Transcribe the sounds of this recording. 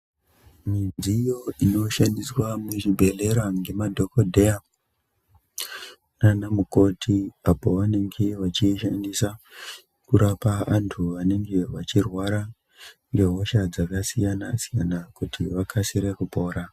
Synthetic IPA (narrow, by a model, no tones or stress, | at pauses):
mid͡ziːjo̞ino̞ʃandiswamuʐibʱe̞le̞ɾaŋɡe̞madʱo̞kodʱeja | nanamuko̞tʰiapo̞ʋane̞ŋɡe̞ʋat͡ʃiʃandisa | kuɾapaantʰuʋane̞ŋɡe̞ʋat͡ʃirwaɾa | ŋɡe̞ɦo̞ʃad͡zakasijanasijanakutʰiʋakʰasiɾekupo̞ːɾa